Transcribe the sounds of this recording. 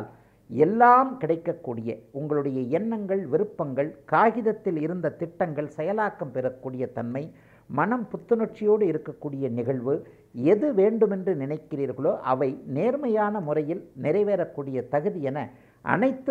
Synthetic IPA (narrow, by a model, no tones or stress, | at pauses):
l | ɛlːaːmkɪɽɐɪkːɐkːuːɽɪjɐʊŋɡɐɭɯɽɐjɐɪɛnːɐŋɡɐɭʋɪɾɯpːɐŋɡɐɭkaːɣɪðɐt̪ːɪlɪɾɯnd̪ɐt̪ɪʈːɐŋɡɐɭsɛjɐlaːkːɐmpɛɾɐkːuːɽɪjɐt̪ɐnmɐɪ | mɐnɐmpʊt̪ːɯnɔʈ̚t͡ʃɪjoːɽɯɪɾɯkːɐkːuːɽɪjɐnɪɣɐɭʋɯ | ɛðɯʋeːɳɖɯmɛndrɯnɪnɐɪkːɪriːɾɣɐɭoːʔɐʋɐɪneːɾmɐjaːnɐmʊrɐjɪlnɪɾɐɪʋeːɾɐkːuːɽɪjɐt̪ɐɣɯðɪjɛnɐ | ʔɐ̰nɐɪt̪ːɯ